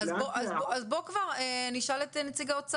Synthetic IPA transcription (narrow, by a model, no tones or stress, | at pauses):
azboʔazboazbo̞kvaʁeniʃaletenet͡siɡaot͡sa